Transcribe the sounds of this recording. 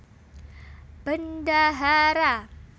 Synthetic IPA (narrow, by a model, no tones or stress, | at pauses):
b̥əndaɦaɾa